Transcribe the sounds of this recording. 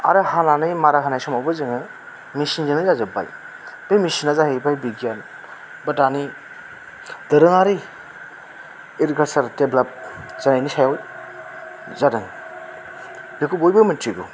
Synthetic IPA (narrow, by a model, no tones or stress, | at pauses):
a̰ɾɯhananɯjmaɾakʰanajsɔmawbɯzɯŋɯ | misinzɯnɯjzazɯba̰j | dɯjmisinazaɦebajbiɡjan | bətani | d̪ɯɾɯŋaɾi | iɾkʰəɾsaɾteblap̚zanajnisʰajawj | zadɯŋ | bekʰubojbɯmɯntʰiɡṵ